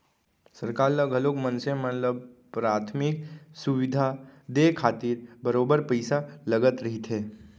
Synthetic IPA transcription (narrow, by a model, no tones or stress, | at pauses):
səɾkaːɾləɡʱəloːkmənsẽmət̪ləb̚pɾaːt̪ʰmɪk̚suʋɪd̪ʱad̪ekʰaːt̪iɾbəɾoːbəɾpəɪsaləɡət̪ɾɐɦit̪ɦeː